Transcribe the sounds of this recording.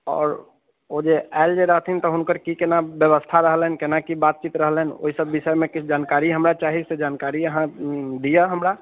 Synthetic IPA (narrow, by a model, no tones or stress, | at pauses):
ɔ̰ːɾ | od͡ʒeɛːld͡ʒeɾəɦt̪ʰint̪ɔɦʊnkəɾkikenabjəʋəst̪ʰaɾəɦlenkenakibaːt̪̚t͡ʃit̪ɾəɦleno̰ɦisəbːɪʃəmẽkɪt͡ʃʰd͡ʒaːnkaːɾiɦəmɾat͡ʃaːɦised͡ʒaːnkaːɾijəɦãd̪ijaɦəmɾa